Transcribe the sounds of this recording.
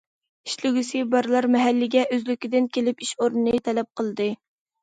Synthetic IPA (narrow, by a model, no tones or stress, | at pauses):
iʃlɪɡʲysɪbɑɾlˠɑɾmɛɦælːɪɡʲɛʔøzlykʲid̪ɪnkʲelɪpiʃoɾnɨnɨt̪ʰɛlɛp̚qʰəlˠɨd̪ɨ